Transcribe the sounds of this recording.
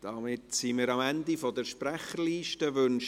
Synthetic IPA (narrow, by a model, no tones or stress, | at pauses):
d̥ɑmɪtsimɪːɾɑmændifɔdəɾʃpræχəɾliːʃtəʋʏnʃ